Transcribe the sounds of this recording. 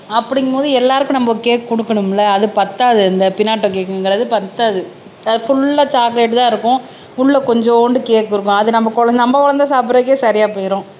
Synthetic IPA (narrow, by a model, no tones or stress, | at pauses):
ɐpːɐɽɪŋɡɐpoːðɯɛlːaːɾɯkːʊ̃nɐmbɐkeːʈkɔɽɯkːɐɳɯmɪlːɐːðɯpɐt̪ːaːðɯɛnd̪ɐpɪnːaːʈːõkeːkːɐ̃ɛŋɡɐɾɐðɯpɐt̪ːaːðɯ | ɐðɯfʊɭːɐt͡ʃaːkleːʈːɯt̪ãːɪɾɯkːʊ̃ | ʊɭːɐkɔɲd͡ʒɔ̃oːɳɖɯkeːʈkːɯɾɯkːʊ̃ɐðɯnɐmbɐkɔɭɐnɐmbɐkɔɭɐnd̪ɐsaːp̬ːɯɾɐːkːeːsɐɾɪjaːpoːjɪɾõː